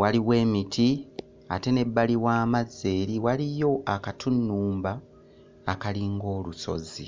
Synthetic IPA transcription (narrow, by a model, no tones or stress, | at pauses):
waliwe̞ːmitʰi | a̰te̞ne̞bːaliwaːmaze̞ːɾiwalijo̞akatʰunːuːmbaː | kaliŋɡo̞ːluso̞̰zḭ